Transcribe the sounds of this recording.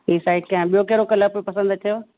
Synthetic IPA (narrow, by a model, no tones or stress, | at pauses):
iːsaːɪʈ̚kɐ̃ɦãɓijokeːɾokɐləpopɐsə̃nd̪t̪ʰɐjo